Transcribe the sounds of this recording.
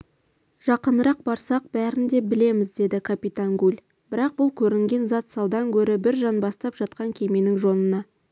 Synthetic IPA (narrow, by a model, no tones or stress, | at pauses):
ʒ̥ɑqənəɾɑq̚bɑɾsɑq̚bæɾɪnd̪e̞bɪle̞mɪzd̪e̞d̪ɪkʰapit̪aŋɡulʲ | b̥ɪɾɑq̚bʊlˠkʲʰɵɾɪŋɡʲe̞nzɑt̪sɑlˠd̪ɑŋkʲʰɵɾɪbɪɾʒɑnbɑst̪ɑpʒɑt̪̚qɑŋkʲʰe̞me̞nɪŋʒo̞nənɑ